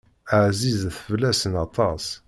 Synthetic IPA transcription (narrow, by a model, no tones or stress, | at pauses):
aʕzizθəvlæsənɑt̪ˤɑs